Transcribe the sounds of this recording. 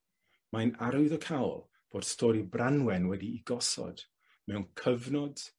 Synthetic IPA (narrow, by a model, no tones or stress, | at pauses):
majnaɾwɨðəkʰawlˠ | b̥oːd̥stʰɔːɾibranwɛnwɛdiːɡɔsɔ̰d̥ | mɛwnkʰəvnɔd̥